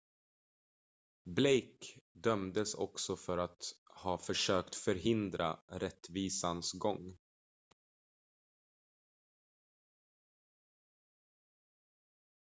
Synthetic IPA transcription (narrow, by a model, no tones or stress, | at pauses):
blejkd̪œmd̪əsɔ̰ksɔfœɾat̪hɑːfœʂøːkt̪fœɾɦɪnd̪ɾa̰ɾɛt̪ːviːsansɡɔŋː